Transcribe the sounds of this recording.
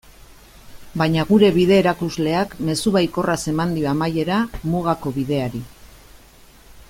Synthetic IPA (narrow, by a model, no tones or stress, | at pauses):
bajɲaɣuɾe̞βiðe̞ːɾakuzle̞akme̞suβajko̞rase̞mand̪ioamaje̞ɾamuɣako̞βið̞e̞aɾi